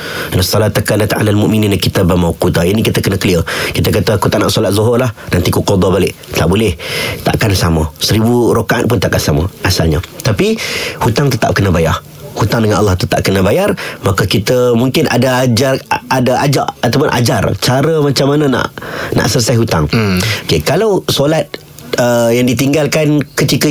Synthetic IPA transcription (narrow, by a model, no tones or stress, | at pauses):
nasɔlat̪akanat̪a̰lalmuʔmininakit̪əbəmawqut̪ainikit̪əkənəkəliəkit̪əkat̪əkut̪aʔnaʔsɔlat̪̚zoɦʊrlahnant̪ikuqod̪ˤɔbalɪʔt̪aʔbolɪht̪a̰ʔkansaməsəɾibuɾokaʔan̚pʊnt̪aʔkansamə̰ʔasalɲət̪apihut̪aŋt̪ət̪a̰p̚kənəbaja̰h | hut̪aŋdəŋanʔɑlːɑht̪ət̪a̰p̚kənəbajarmakəkit̪əmuŋkɪnʔa̰daad͡ʒaadaʔad͡ʒa̰ʔat̪awpʊnʔa̰d͡ʒart͡ʃaɾəmat͡ʃamːanəna̰ʔna̰ʔsələsajɦut̪a̰ŋokekalawsolat̪̚ | əjaŋdit̪iŋɡalkankət̪ikə